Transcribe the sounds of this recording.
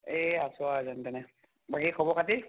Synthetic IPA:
easʊazantɛnɛ | baɡikʰɔbɔkʰati

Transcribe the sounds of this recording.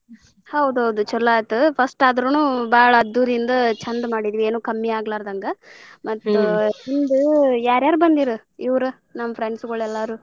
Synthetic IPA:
hɐwd̪uɦɐwd̪ut͡ʃɔlaːt̪upʰɐsʈaːd̪ɾunuːbaːɭɐːd̪ːuːɾind̪ɐt͡ʃɐnd̪maːɽid̪iʋie̞ːnuːkɐmːiaːɡlaːɾd̪ɐŋɡɐmɐt̪ːuind̪ujaːɾjaːɾubɐnd̪iɾu | iʋɾu | nɐmːɐpʰɾeɳɖsɡɐɭɛlːaːɾu

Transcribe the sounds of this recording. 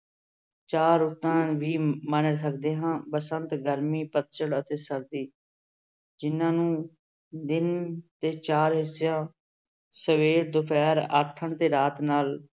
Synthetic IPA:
t͡ʃaːɾʊt̪ːãːʋiːmənəːsəkd̪eːɦãːpəsənt̪ɡəɾmiːpət̪t͡ʃəɽət̪eːsəɾd̪iː | d͡ʒɪnːãːnũː | d̪ɪnt̪eːt͡ʃaːɾɦɪsɪjãː | səʋeːɾd̪ʊpʰɛːɾa̰ːt̪ʰːəɳt̪eːɾaːt̪naːl

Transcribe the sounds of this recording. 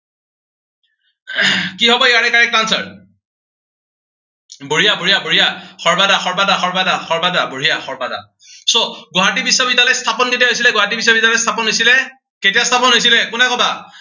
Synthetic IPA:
kiɦɔbɔeaɹɛkaɹɛk̚tansaɹ | boɹijaboɹijaboɹijaxɔɹbadaxɔbadaxɔɹbadaxɔɹbadaboɹijaxɔɹbada̰ | soɡoɦat̬ibisabidalɛstʰapɔnɡitijaɦojs̬ilɛɡɔɦat̬ibis̬abidalɛst̪ʰapɔnɦojsilɛ | ketiast̪ʰapɔnɦojs̬ilɛkʊnɛkɔtʰa

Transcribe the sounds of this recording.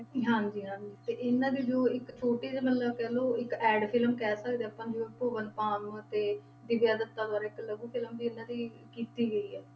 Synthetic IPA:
ɦãːɲd͡ʒiːɦãːd͡ʒiːt̪eːʔɪnːãːd̪iːd͡ʒoːɪkt͡ʃʰoːʈiːd͡ʒemət̪ləbkɛːloːɪkɛːɖpʰɪlmkɛːsəkd̪eːəpãːd͡ʒoːpoːʋənpaːmt̪eː | d̪ɪbjaːd̪ət̪ːaːd̪ʊaːɾaːɪkləɡũːpʰɪlmd̪iːɪnːãːd̪iː | kiːt̪iːɡəiːɛː

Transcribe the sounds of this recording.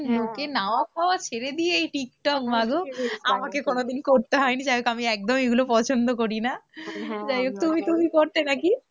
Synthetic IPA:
lokenaoakʰaoat͡ɕʰeɾed̪ieejʈik̚ʈɔkmaɡoamakekonod̪inkoɾt̪eɦɔenid͡ʑajokamiɛk̚d̪omeɡulopɔt͡ɕʰond̪ok̬oɾina | d͡ʑajok̚t̪umit̪umikoɾt̪enaki

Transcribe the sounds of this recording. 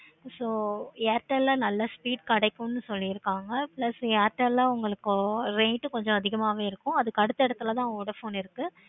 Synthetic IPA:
soːjaːɾʈɐllãːnɐlːɐspiːɖkɐɽɐɪkːʊ̃nːɯsɔlːiɪɾɯkːaːŋɡɐpɭɐsjaːɾʈːɐllaːʊŋɡɐɭɯkːɾeːʈːɯkɔɲd͡ʒɔ̃ɐðɪɣɐmaːʋeːɪɾɯkːʊ̃ɐðɯkɐɽɯt̪ːɐɛɽɐt̪ːɯlɐt̪ãːɔɽɐfoːnɪɾɯkːɯ

